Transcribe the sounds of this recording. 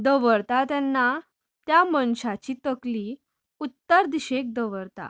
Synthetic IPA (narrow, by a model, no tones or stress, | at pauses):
d̪əʋəɾt̪at̪jɛnːa | t̪jamənɕat͡ɕit̪əkli | ut̪ːəɾd̪iɕek̚d̪əʋəɾt̪a̰